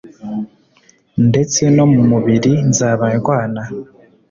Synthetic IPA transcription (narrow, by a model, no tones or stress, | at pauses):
nde̞t͡se̞no̞mumuβiɾinzaːβaekwaːna